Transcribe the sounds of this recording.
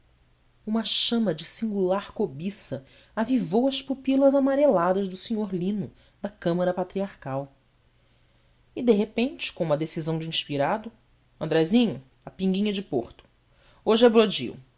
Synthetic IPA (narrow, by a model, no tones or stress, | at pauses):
ũmɐʃɐ̃mɐd͡ʒɪsĩŋɡulaɾkobisɐ | avivowɐspupilɐzamaɾelad̪ɐzd̪ʊsiɲoɾlĩnʊ | d̪ɐkɐ̃mɐɾɐpat̪ɾiaɾkaw | ɪd̪eɦepẽnt͡ʃɪ̥kõũmɐd̪esizɐ̃w̃d͡ʒɪĩʃpiɾad̪ʊ | ɐ̃nd̪ɾɛzĩɲʊ | ɐpĩŋɡĩɲɐd͡ʒɪpoɾt̪ʊ̥ | oʒɪɛbɾod͡ʒḭṵ